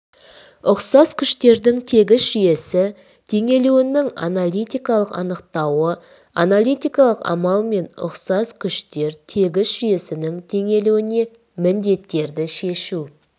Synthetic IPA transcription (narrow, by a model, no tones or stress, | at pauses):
ʊqsɑz̥kʲʰʏʃt̪e̞ɾd̪ɪŋt̪ʰe̞ɡʲɪsʒije̞sɪ | t̪ʰe̞ŋe̞luwɪnɪŋa̰nalˠijt̪ijkɑlˠəqɑ̰nəq̚t̪ɑwə | analʲˠijt̪ijkɑlˠəqɑ̰mɑlˠme̞nʊ̰qsɑzkʲʰʏʃt̪e̞ɾt̪ʰe̞ɡʲɪsʒije̞sɪnɪŋt̪ʰe̞ŋe̞luwɪne̞ | mɪnd̪e̞t̪ːe̞ɾd̪ɪʃe̞ʃu